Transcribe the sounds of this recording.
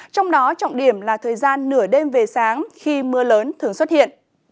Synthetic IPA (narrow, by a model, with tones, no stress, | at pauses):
t͡ɕɔ˧wŋ͡mɗɔ˨˦t͡ɕɔ̰˧˨ŋ͡mɗi˧˩əmlaː˨˩t̪ʰəː˨˩jzaː˧nːɨ˧˩əɗe˧mve˨˩saː˨˦ŋxi˧mɨ˧ələː˨˦nt̪ʰɨ˨˩əŋswə˦˥t̚hḭ˧˨ən